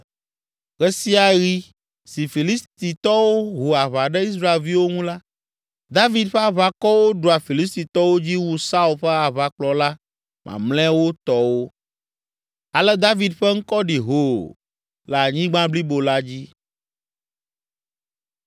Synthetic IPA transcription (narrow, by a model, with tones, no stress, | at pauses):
ɣɛ˦si˦a˨ɣi˦ | si˨fi˨li˦st̪i˨t̪ɔ˦wo˦ɦu˨a˨βa˨ɖɛ˦i˦s̬ɾa˦e˨lvi˦wo˦ŋũ˦la˦ | d̪a˦vi˨d̪ɸɛ˦a˨βa˦kɔ˦wo˦ɖu˨a˨fi˨li˦s̬t̪i˨t̪ɔ˦wo˦d͡ʑi˦wu˦sa˦u˦lɸɛ˦a˨βa˨k͡plɔ˨la˦ | mʔã̰˨mlɛ̃˦wo˦t̪ɔ˦wo˦ | a˨lɛ˦d̪a˦vi˨d̪ɸɛ˦ŋ̩˦kɔ˦ɖi˨ɦo˨ | la˨ɲĩ˦ɡ͡bã˦bli˦bo˨la˦d͡ʑi˦